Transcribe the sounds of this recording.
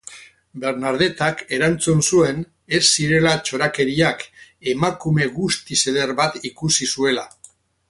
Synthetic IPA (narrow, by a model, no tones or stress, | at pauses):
be̞ɾnaɾð̞e̞t̪ake̞ɾant͡sunsue̞n | e̞sːiɾe̞lat͡ʃo̞ɾake̞ɾiake̞makume̞ɣust̪ise̞ðe̞ɾβat̪ikusisue̞la